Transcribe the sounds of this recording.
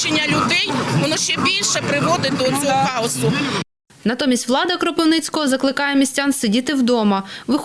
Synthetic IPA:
enʲːɐlʲʊd̪ɛjʋɔnɔʃt͡ʃɛbʲilʲʃɛpɾɪʋɔd̪ɪd̪ɔɔt͡sʲɔɦɔxɑɔsʊ | nɐt̪ɔmʲisʲtʲʋlˠɑd̪ɐkɾɔpɔwnɪt͡sʲkɔɦɔzɐklˠɪkɑjɛmʲisʲtʲansedʲit̪ɪwd̪ɔmɐʋɪx

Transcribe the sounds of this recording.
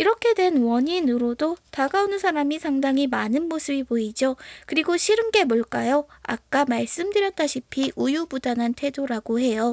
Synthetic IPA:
iɾʌkʰe̞dwe̞nwʌɲinuɾodotaɡaonɯnsʰaɾamisʰaŋdaŋɦimanɯnmosʰɯbipoid͡ʑokɯɾiɡoɕʰiɾɯmɡe̞moɭk͈ajoa̰k̚k͈amaɭs͈ɯmdɯɾjʌt̚t͈aɕʰipʰiʔujubudanantʰe̞doɾaɡoɦe̞jo

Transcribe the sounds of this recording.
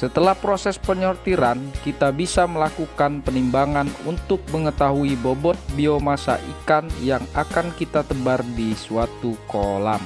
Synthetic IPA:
sət̪əlahpɾosɛspəɲɔrt̪iɾankit̪abisaməlakukanpənimbaŋanṵnt̪ʊk̚məŋət̪aɦuibɔbɔt̪̚biomasa̰ʔikanjaŋakankit̪at̪əbardisuat̪ukolam

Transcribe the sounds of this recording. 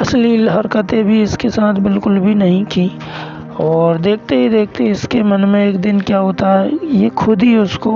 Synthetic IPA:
ɐslilɦɐɾkət̪ẽbʱiɪskesaːt̪ʰbɪlkʊlbʱinɐɦĩkĩ | ɔːɾd̪eːk̚ʰt̪eɦid̪eːk̚ʰt̪eɪskemɐnmẽeːkd̪ɪnkjaɦoːt̪aɦɛjexʰʊd̪ʱiʊsko

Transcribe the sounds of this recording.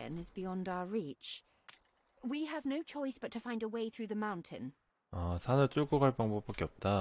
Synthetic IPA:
ɨ̰̃nɨzbijɒ̃ndaʊəɹit͡ʃ | wiəvnoʊt͡ʃʰɔɪsb̥ʌtʰɨfãɪ̃ndəweɪθɹʉðəmãʊ̃ntʰɪ̰̃n | ʌsʰanɯɭtukoɡaɭpaŋbopak͈eʌp̚t͈a

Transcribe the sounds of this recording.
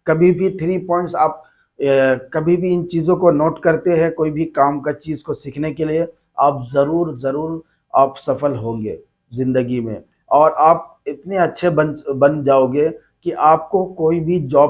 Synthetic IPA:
kɐbʱibʱit̪ʰɾiːpɔ̃ːɪ̃ɳʈsaːp̚ | kɐbʱibʱiɪ̃nt͡ʃiːzõkonoːʈkɐɾt̪eɦɛ̃koːibʱikaːmkat͡ʃiːzkosiːkʰnekelie | aːpzɐɾuːɾzɐɾuːɾ | aːpsɐfəlɦõːɡḛː | zɪ̃nd̪əɡimḛ̃ | ɔːɾaːp̚ɪt̪neɐtːʃʰebɐnbɐ̃nd͡ʒaːoːɡeː | kiʔaːp̚kokoːibʱid͡ʒɔː

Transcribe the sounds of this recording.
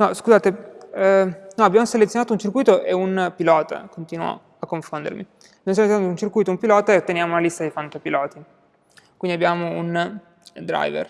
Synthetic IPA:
nɔskuzaːt̪e | nɔabːjaːmoselet̪sːjonaːt̪ount͡ʃirkujt̪oʔeunpilɔːt̪a̰kont̪iːnwo̰ | akːoɱfond̪ḛɾmḭ | abjamosjeoet̪sjonat̪ount͡ʃirkuːjt̪oumpilɔːt̪aet̪ːenjaːmounalist̪ad̪ejfant̪opilɔːt̪i | kwind̪iabːjaːmoun | d̪ɾa̰jvḛr

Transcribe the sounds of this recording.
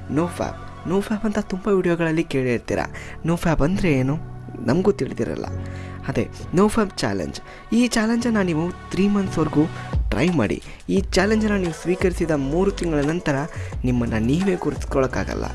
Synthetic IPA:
noːpʰa̰ːb̚ | noːpʰaːpɐnt̪ɐt̪umbɐʋiːɽijoːɡɐɭɐlːike̞ːɭeiɾt̪ḭːɾɐ̰noːpʰaːpɐnd̪ɾe̞eːnu | nɐmɡuːt̪iɭid̪ḭɾɐ̰lːɐ̰aːd̪ɾḛnoːpʰaːb̚t͡ʃa̰ːlḛɲd͡ʒ | iːt͡ʃaːleɲd͡ʒɐnːɐniːʋut̪ʰɾiːmɐnsʋɐɾɡuːʈɾɐ̰jma̰ːɽḭ | iːt͡ʃaːleɲd͡ʒɐnːɐniːʋusʋiːkɐɾisid̪ɐmuːɾut̪iŋɡɐɭɐnɐnt̪ɐɾɐnimːɐnːɐniːʋe̞ːɡuɾiskɔɭɐkːa̰ːɡɐ̰lːɐ̰

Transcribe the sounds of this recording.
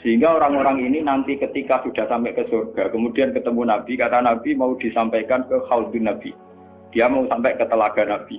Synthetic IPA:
səɦiŋɡaoɾaŋoɾaŋininampikət̪ikasud̥a̤hsampɛʔkəsurɡ̥a̤kəmud̥iankət̪əmunab̥i̤kat̪anab̥imaud̪̥i̤sampajkankəhaut̪unab̥i̤ | d̥iamausampɛʔkət̪əlaɡ̥a̤nab̥i

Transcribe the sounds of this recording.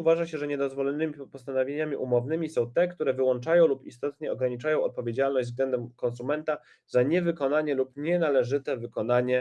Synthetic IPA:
uvaʐaɕɛʐɛɲɛd̪ɔzvɔlɛnɘmʲipɔst̪anɔvʲjeɲamʲiʔumɔvnɘmʲisɔ̃w̃t̪ɛkt̪uɾɛvɘwɔnt͡ʂajɔ̃w̃lupist̪ɔt̪ɲɛɔɡɾaɲit͡ʂajɔ̃w̃ɔ̰t̪̚pɔvʲed͡ʑalnɔʑd͡ʑzvɡlɛnd̪ɛmkɔnsumɛnt̪a | zaɲɛvɘkɔnaɲɛlupɲɛnalɛʐɘt̪ɛvɘkɔnaɲɛ

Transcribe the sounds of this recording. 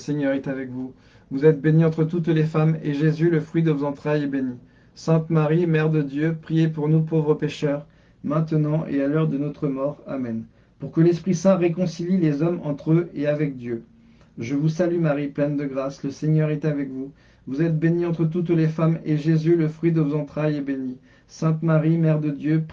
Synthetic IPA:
əseɲœʁɛt̪avɛkvu | vuzɛt̪̚beniɑ̃t̪χət̪ut̪lefameʒezyləfχɥid̪əvozɑ̃t̪χajebeni | sɛ̃t̪maʁimɛʁd̪əd̪jøpχijepuʁnupovʁəpeʃœʁ | mɛ̃t̪ənɑ̃ʔḛalœʁd̪ənɔt̪χəmɔʁa̰mɛn | puʁkəlɛspχisɛ̃ʁekɔ̃sililezɔmɑ̃t̪χøeavɛk̚d̪jø | ʒəvusalymaʁiplɛnd̪əɡʁasləseɲœʁɛt̪avɛkvu | vuzɛt̪̚beniɑ̃t̪χət̪̬ut̪lefameʒezyləfχɥid̪əvuzɑ̃t̪χajɛbeni | sɛ̃t̪maʁimɛʁd̪əd̪jøp

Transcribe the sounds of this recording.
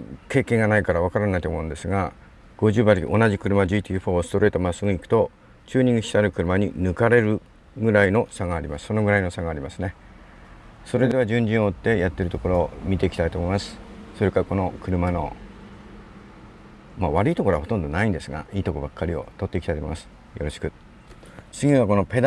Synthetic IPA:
ke̞ːkẽ̞ŋɡanaikaɾaβ̞akaɾanait̪omõ̞ɯ̃nd̪e̞sɨɡa | ɡ̥o̞ʑɨːbaɾʲiʔo̞naʑikɯ̟ɾɯ̟mad͡ʑiːt̪ʲiːɸo̞ːsɨ̥t̪o̞ɾe̞ːt̪o̞masɨɡɯ̟ikɯ̟̥t̪o̞ | t͡ɕɨːɲ̟ĩŋɡɯ̟ɕi̥saɾɯ̟kɯ̟ɾɯ̟maɲ̟inɯ̟kaɾe̞ɾɯ̟ | ɡɯ̟ɾaino̞saɡaːɾʲimasɨ̥so̞no̞ɡɯɾaino̞saɡaːɾʲimasɨne̞ | so̞ɾe̞d̪e̞β̞ad͡ʑɨ̃ɲ̟d͡ʑĩoːt̪ːe̞jat̪ːe̞ɾɯ̟t̪o̞ko̞ɾo̞ːmʲit̪e̞ikʲi̥t̪ait̪omo̞imasɨ̥so̞ɾe̞kako̞no̞kɯ̟ɾɯ̟mano̞̰ | maβaɾɯ̟it̪o̞koɾo̞aho̞t̪õ̞nd̪onaĩnd̪e̞sɨɡa̰iːt̪o̞kobakːaɾʲio̞̰t̪o̞t̪ːe̞ikʲit̪ait̪oimasɨ̥ | jo̞ɾo̞ɕi̥kɯ̟ | t͡sɨɡʲiɡako̞no̞pe̞d̪

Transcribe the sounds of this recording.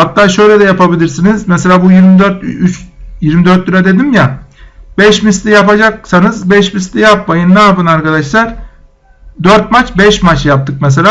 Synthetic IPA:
hat̪ːaːʃøjlʲɛd̪ɛjapabilʲiɾsinizmɛselʲaːbujiɾmid̪øɾt̪yt͡ʃjiɾmid̪øɾt̪̚ːyɾad̪e̞d̪imjabɛʃmist̪ʲijapad͡ʒak̚sanɯzbɛʃmist̪ʰʲijap̚majɯnnaːpɯnaɾkad̪aʃlˠaɾ̥ | d̪øɾt̪̚mat͡ʃbɛʃmat͡ʃjap̚t̪ʰɯk̚mɛs̬elʲaː

